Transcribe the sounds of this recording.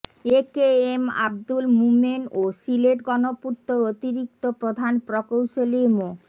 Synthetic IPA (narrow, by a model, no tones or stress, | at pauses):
ekeema̰b̚d̪ulmumenosileʈɡɔnoput̪ːoɾot̪iɾik̚t̪opɾod̪ʱanpɾokowʃolimo